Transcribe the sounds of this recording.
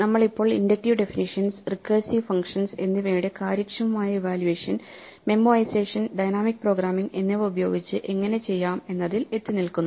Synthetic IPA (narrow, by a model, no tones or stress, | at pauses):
nɐmːɐɭipːo̞ːɭindɐk̚ʈiʋɖe̞finiʂɐnsrikːɐːsifɐŋkʂɐnse̞nːiʋeːɳɖɨkaːɾɐkt͡ɕːɐʋɐmaːjɐʋaːljuʋeːʂɐn | me̞mːoɐjseːʂɐnɖɐjnaːmik̚ːpro̞ːɡɾaːmiŋɡe̞nːeʋeubɐjo̞ːɡit͡ɕːɨʔe̞ŋːɐne̞t͡ɕe̞jːaːme̞nːɐðile̞t̪ːinilkunːu